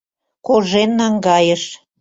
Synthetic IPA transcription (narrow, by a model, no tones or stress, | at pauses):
koʒenːɑŋɡɑjəʃ